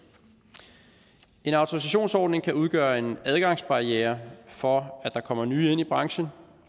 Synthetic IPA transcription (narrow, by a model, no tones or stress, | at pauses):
e̝nɑ̈ʊt͡sʰoʁis̬æɕo̝̰ːnsɒːd̥ne̝ŋkʰæuð̞ˠɡ̥ɶːɐe̝næð̞ˠɡ̥ɑ̈ŋ̰sb̥ɑ̈ieːɐfɒ̽æd̥ɑ̈kʰɒ̽m̰ɐnyːe̝n̰ib̥ʁɑ̈ŋɕən̩